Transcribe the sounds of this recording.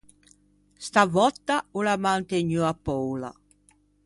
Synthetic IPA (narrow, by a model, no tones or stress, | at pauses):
st̪avɔt̪ːaulamant̪eɲuapːɔwla̰